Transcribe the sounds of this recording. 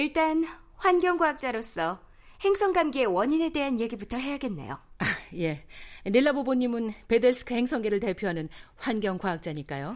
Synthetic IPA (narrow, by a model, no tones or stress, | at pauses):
iɭt͈an | ɸwanɡʲjʌŋɡwaak̚t͡ɕ͈aɾos͈ʰʌ | he̞ŋsʰʌŋɡamɡeewʌɲine̞de̞ɦanje̞ɡibutʰʌɦe̞jaɡe̞nːe̞̰jo̰aje̞niɭːaboboɲːimɯnpe̞deɭsʰɯ̥kʰɯhe̞ŋsʰʌŋɡe̞ɾɯɭte̞pʰjoɦanɯnɸwanɡjʌŋkwaɦak̚t͡ɕ͈aɲik͈ajo